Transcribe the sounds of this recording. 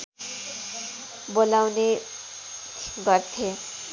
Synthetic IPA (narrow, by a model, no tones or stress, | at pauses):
bolawne | ɡʌrt̪ʰe